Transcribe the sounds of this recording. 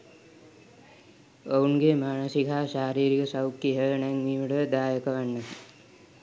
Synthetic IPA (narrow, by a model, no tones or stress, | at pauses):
ounɡemaːnəsikaːʃaːɾiːɾikəsawkːiɦənɛŋmiːʋəɽəd̪aːjəkəʋanːə